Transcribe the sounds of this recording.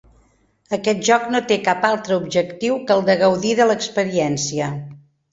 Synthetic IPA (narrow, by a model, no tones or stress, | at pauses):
əkɛt̪̚ʒɔknot̪ekapalˠt̪ɾəubʒəkt̪iwkəlˠd̪əɣəwðiðələkspəɾiɛnsiə